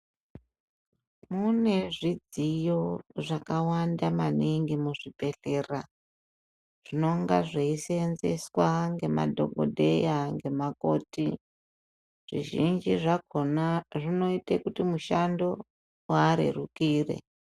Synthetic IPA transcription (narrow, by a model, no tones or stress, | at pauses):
mune̞ʐid͡zijo̞ʐakawandamaniŋɡimuʐipe̞ɬe̞ra | ʐ̥ino̞ŋɡaʐeisenze̞̰swaŋɡe̞ma̰dʱo̞̰ɡʱo̞̰dʱe̞jaŋɡe̞mako̞ːti | ʐ̥ḭʒind͡ʒiʐako̞naʐino̞itekutimuʃando̞ | waːɾḛrukiːre̞̰